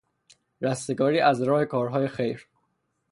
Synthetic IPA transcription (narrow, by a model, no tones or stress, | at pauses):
ɾæst̪e̞ɡɒːɾiːʔæzɾɒːhe̞kʰɒːɾɦɒːje̞xe̞jɾ